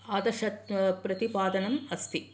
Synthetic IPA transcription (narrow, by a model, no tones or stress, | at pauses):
aːd̪ɐʃɐt̪pɾɐt̪ipaːd̪ɐnɐmɐst̪ʰi